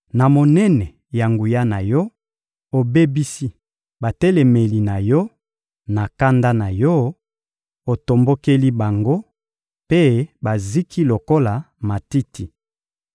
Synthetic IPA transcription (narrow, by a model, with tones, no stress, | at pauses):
na˨mo˨nɛ˦nɛ˨ | ja˨ŋɡu˨ja˦na˨jɔ˦ | o˨be˦bi˦si˦ | ba˨tɛ˦le˨me˨li˨na˨jɔ˦ | na˨ka˦nda˦na˨jɔ˦ | o˨to˨mbo˦ke˦li˦ba˨ŋɡo˦ | pe˦ba˨zi˦kʰi˦lo˨ko˦la˨ | ma˨ti˦ti˨